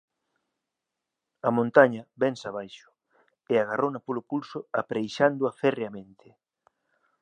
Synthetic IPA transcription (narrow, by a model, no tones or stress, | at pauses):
amõnt̪aɲɐbɛnsaβ̞ajʃʊ̥ | ɪaɣarʔownapolʊpulsʊapɾejʃand̪ʊafɛreamẽnt̪ʰɪ